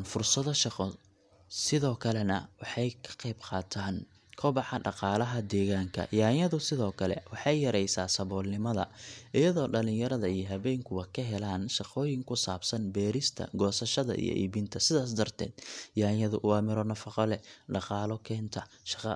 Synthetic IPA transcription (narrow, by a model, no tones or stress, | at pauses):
nfʊrsɐðɔʃɑqɔ | sɪðɔːkʰɐlɛnɐwɑħɑjkʰɐ̥qejbqɑːt̪ʰaːn | kʰɔbɑħɑɖɑqɑːlɐɦɐd̪ɛːɣaːŋkʰɐ̰jaːjɐðʊsɪðɔːkʰɐlɛ̰wɑħɑjjɐɾɛjsaːsɐβɔːlnɪmɐðɐ̰ʔɪjɐðɔːɖɐlɪɲjɐɾɐðɐijɔɦɐβɛːŋkʰʊwɑkʰɐɦɛlaːnʃɑqɔːjɪŋkʰʊsaːbsɐnbɛːɾɪst̪ʰɐ̰ɡɔːsɐʃɐðɐ̰ʔḭjɔ̰ʔḭːβiːnt̪ʰɐsɪðaːs̬d̪ɐrt̪ʰɛ̰ːd̪jaːjɐðʊʔʊɑːmɪɾɔnɐfɑqɔlɛɖɑqɑːlɔkʰɛːnt̪ʰɐ | ʃɑ̥qɑ